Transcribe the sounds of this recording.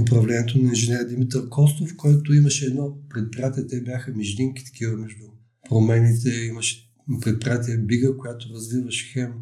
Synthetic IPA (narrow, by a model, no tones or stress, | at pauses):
ʊpɾɐvlɛnɛt̪onɐinʒɛnɛɾd̪imit̪əɾkɔst̪ofkɔɛt̪oimɐʃɛːd̪nɔpɾɛt̪̚pɾiat̪iət̪ɛbʲjaxəmiʒd̪iŋki̥t̪ɐ̥k̟ivəmɛʒd̪ʊ | pɾomɛnit̪ɛimɐʃɛ̥ | pɾɛt̪̚pɾiat̪iəbiɡəkojat̪oɾɐzvivɐʃxɛm